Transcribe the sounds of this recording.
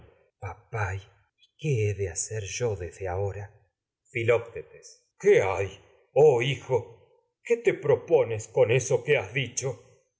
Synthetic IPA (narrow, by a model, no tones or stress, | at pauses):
papaj | i̥keeðeaseɾʒo̞ðezðeaoɾa | filop̚t̪et̪es | keaj | oixo̞ | ket̪epɾoponesko̞nesokeazðit͡ʃo